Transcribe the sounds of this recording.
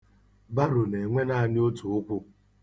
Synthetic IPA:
ba˦ɾʊ˨ne˨ŋʷe˦na˦˨nɪ˦o˦tu˨ʊ˦kʷʊ˦

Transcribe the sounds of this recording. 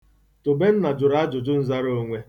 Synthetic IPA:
to˨be˦n̩˦na˨d͡ʒʊ˨ɾa˦d͡ʒʊ˨d͡ʒʊ˦n̩˦za˦ɾo˦ŋʷe˦

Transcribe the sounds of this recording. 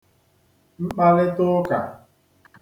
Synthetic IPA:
ŋ͡m̩˦k͡pa˦ɾɪ˦tʊ˦ka̰˨

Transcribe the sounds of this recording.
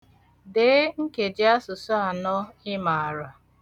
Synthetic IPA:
de˨˦ŋ̩˦ke˨d͡ʒɪ˦a˦sʊ˨sɔ˦a˨nɔ˦ɪ˦ma˨a˨ɾa˨

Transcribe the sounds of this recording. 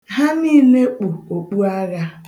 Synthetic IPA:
ɦa˦miː˦ne˦k͡pu˨o˨k͡pu˦a˦ɣa˦

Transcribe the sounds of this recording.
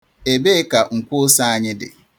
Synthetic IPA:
e˨be˦ka˨ŋ̩˨kʷʊ˦sa˦a˦ɲɪ˦dɪ̰˨

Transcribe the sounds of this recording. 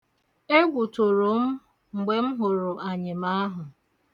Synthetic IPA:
e˦ɡʷu˨tʊ˨ɾʊ˨m̩˦ | ŋ͡m̩˨ɡ͡be˨m̩˦ɦʊ˨ɾʊ˨ʔa˨ɲɪ˨m̩a˦ɦʊ˨

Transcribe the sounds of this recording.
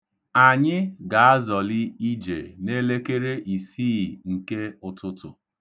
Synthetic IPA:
a˨ɲɪ˦ɡa˨a˦zɔ˨lɪ˦i˦d͡ʒḛ˨ne˦le˦ke˦ɾe˦ʔi˨siː˦˨ŋ̩˨ke˦ʊ˨tʊ˦tʊ̰˨

